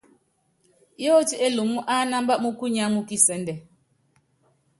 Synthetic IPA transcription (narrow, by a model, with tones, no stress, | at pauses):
jo˦ti˦ʔe˦lu˨mu˦ʔa˦na˦mba˦mu˦ku˦ɲa˦mu˦ki˦sɛ˨ndɛ˨